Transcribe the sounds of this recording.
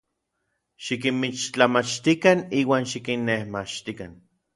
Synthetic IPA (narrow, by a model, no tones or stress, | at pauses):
ʃikinmit͡ʃt͡ɬamat͡ʃt̪ikaniːwaːnʃikinːehmat͡ʃt̪ikan